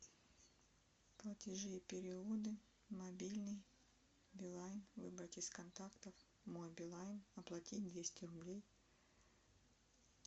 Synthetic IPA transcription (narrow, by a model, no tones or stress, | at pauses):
plˠətʲɪʐɨjɪpʲɪɾʲɪud̪ɨ | mɐbʲilʲnɨj | bʲɪlˠajnvɨbɾətʲɪskɐnt̪akt̪əf | mojbʲɪlˠajnɐplˠɐtʲitʲd̪vʲesʲtʲɪrʊblʲej